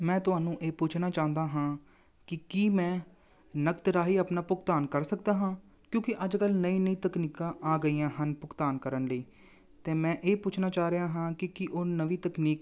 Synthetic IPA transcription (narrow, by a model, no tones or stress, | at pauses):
mɛ̃ːt̪ʊɦaːnũːʔeːpʊt͡ʃʰnaːt͡ʃãːnd̪aːɦãː | kɪkiːmɛ̃ː | nəkt̪ɾaːɦiːapnaːpʊkt̪aːnkəɾsək̚d̪aːɦãː | kjõːkɪʔəd͡ʒkəlnəĩːnəĩːt̪əkniːkãːʔaːɡəiːãːɦənpʊkt̪aːnkəɾənləiː | t̪ẽːmɛ̃ːʔeːpʊt͡ʃʰnaːt͡ʃaːɾejãːɦãːkɪkɪʔoːnəʋiːt̪əkniːk